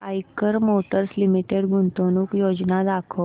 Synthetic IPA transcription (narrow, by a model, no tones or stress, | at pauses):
ajkəɾmoʈəɾslimiʈeɽɡunt̪onuːkjod͡ʑnad̪akʰo